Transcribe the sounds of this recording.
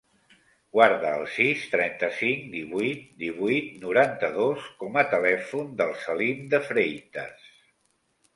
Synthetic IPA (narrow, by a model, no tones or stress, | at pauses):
ɡ̥waɾðəːlˠsist̪ɾɛnt̪əsiŋd̪iβujt̪̚d̪iβuit̪nuɾant̪əðoskɔmət̪əlɛfund̪əlˠsəlimd̪əfɾejt̪ə̰s